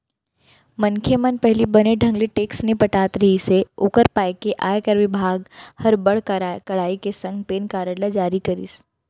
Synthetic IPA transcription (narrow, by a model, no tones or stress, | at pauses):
mɐnkʰemɐnpɛɦlibɐneɖʱɐ̃ŋɡliʈeːksnepɐʈaːt̪ɾɐɦiseʊkəɾpaːekeʔaːjkəɾʋɪbʱaːɡhɐɾbɐɽkɐɽ̤aːikesɐ̃ŋɡpeːnkaːɾəɽlad͡ʒaːɾikɐɾḭːs